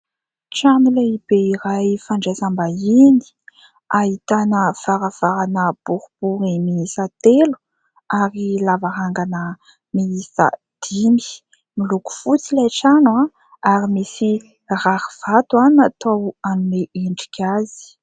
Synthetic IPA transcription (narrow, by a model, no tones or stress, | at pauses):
ʈ͡ʂamileibeiɾajfaɳɖ͡ʐazambaini̥ | aɦit̪anəv̥aɾav̥aɾanəb̥uɾub̥uɾimiisat̪elu̥ | aɾilavaɾaŋɡanə | miisa̰ | d̪̥imi̥ | miluku̥fut͡silaʈ͡ʂana | aɾimisi | rahiv̥at̪wanat̪owanuneʔeɳɖ͡ʐi̥kʲʰazi̥